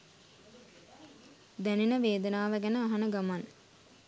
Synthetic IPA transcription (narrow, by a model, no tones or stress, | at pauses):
d̪æninəʋeːd̪ənaːʋəɡænəaɦanəɡaman